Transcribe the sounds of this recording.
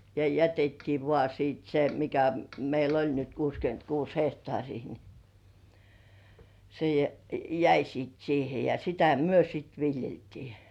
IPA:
jɑ jætetːiː ʋŏɑˑ siˑt se mikæ meil olʲ nyt kuːskyøntkuːs hehtŏɑˑrʲiː ni se jæ jæi siːt siːhe jɑ sitæ myø sit ʋiljeltiː

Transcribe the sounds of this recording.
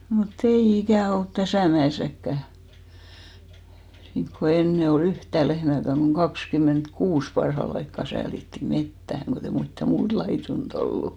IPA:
mut ei ikæˑ olt tæsæˑ mæeˑsækːæ niŋko enːe ol yhtæˑ lehmæˑkæŋ ɡ̊oŋ kɑkskymˑentkuːs pɑrhɑl ɑikːɑ sæːlitːi metːæhæŋ kotei mitːæ muːt lɑitunt olːu

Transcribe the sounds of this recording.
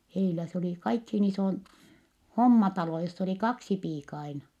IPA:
heilæ s oliˑ kɑikhiːn isoin homːɑtɑlo josː oli kɑksi piːkɑ ɑinɑ

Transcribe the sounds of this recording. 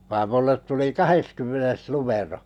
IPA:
ʋɑːm mulːet tuli kɑheskymːenes numero

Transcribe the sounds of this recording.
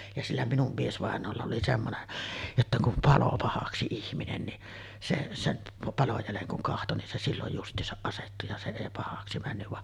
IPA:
jɑ silːæ minum miesʋɑˑenˑoːlːɑ oli semːonen jotːɑ kum pɑlo pɑhɑksi ihminen ni se sem pɑloj jæleŋ kuŋ kɑhto nin se silːoj justˑiːsɑʔ ʔɑsetːu jɑ se eˑi pɑhɑksi mænːyʋ ʋɑʔ

